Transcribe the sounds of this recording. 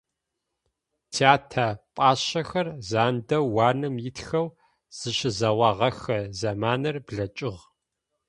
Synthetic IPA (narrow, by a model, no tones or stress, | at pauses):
tʰaːtʰɐpʼaːɕɐxɐrzaːndɐwaːnɨmjɪtxɐw | z̥ɨɕɪzɐwɑʁɐxɐzɐmaːnɐrbɮɐt͡ʃʼɪʁ